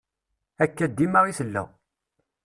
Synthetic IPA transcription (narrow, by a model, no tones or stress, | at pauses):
ækːæd̪ːimaʁiθəlːæ̰